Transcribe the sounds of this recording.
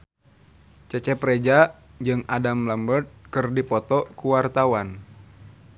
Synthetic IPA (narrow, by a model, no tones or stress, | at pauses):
t͡ʃɛt͡ʃɛpɾed͡ʒad͡ʒɨŋadamlambərt̪̚kɨrdipɔt̪ɔkuwart̪awan